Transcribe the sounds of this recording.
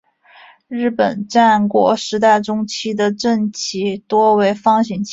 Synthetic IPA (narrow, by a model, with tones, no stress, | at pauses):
ɻ̩˥˩pə˨˩˦nʈ͡ʂa˥˧nkwɔ̰˧˥ʂɻ̩˧˥t̪a˥˩ɪʈ͡ʂʊ˥ŋt͡ɕʰi˥d̪ə˨ʈ͡ʂə˥˩nt͡ɕʰi˧˥t̪wɔ˥we˧˥ɪfɑ˥ŋɕi˨˩nt͡ɕʰ